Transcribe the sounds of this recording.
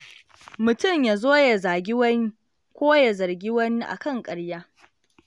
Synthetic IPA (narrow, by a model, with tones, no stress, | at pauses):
mʊ˨tʊ˦˨mja˨zoː˦ja˨zaː˨ɡʲɪ˦wɐ˦ŋ | kʷoː˦ja˨zɐ˨rɡʲi˦wɐ˦ni˦ʔa̰˨kɐ˦˨ŋkʼɐ˨ɽjaː˦